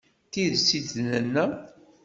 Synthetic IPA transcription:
θiðsid̪nənːæ

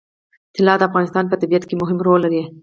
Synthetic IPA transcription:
t̪ɪlɑd̪əafɣɑnɪst̪ɑnpət̪abijat̪kemʊɦɪmɾolːaɾie

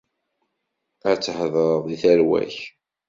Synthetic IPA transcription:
æt͡sːəhðˤəɾˤððiθæɾwæ̰ç

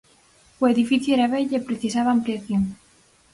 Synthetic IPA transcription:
oeðifiθjʊeɾaβeʎepɾeθisaβaːmpliaθjoŋ

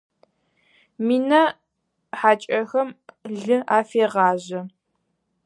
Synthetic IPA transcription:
miːnɐ | ħaːt͡ʃʼɐxɐmɮɨʔaːfeːʁɑːʑɐ

